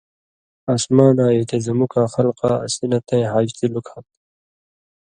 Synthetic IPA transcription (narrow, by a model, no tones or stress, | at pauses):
aːsmaːnaːjet̪ezɐmukaːxɐlqɑ̰ːsinɐt̪ẽjɦaːd͡ʑt̪ilukʰɐ